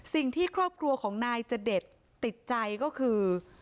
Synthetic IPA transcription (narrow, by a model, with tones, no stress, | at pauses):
si˨˩ŋt̪ʰiː˥˩kʰɾɔː˥˩p̚kʰɾu˧ɐkʰɔː˩˦ŋnaː˧jt͡ɕa˨˩de˨˩t̪ːi˨˩t̪̚t͡ɕa˧jkɔː˥˩kʰɯː˧